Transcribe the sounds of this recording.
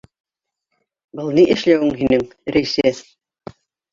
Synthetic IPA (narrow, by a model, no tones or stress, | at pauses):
bɤlˠniʔɘ̆ʃlæwɘŋɦinɘŋɾæjsæs